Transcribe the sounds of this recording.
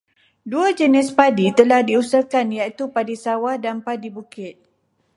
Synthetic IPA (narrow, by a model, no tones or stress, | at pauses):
duad͡ʒənɪspadit̪əlahdiusəkanjait̪upadisawahdanpadibukɪt̪̚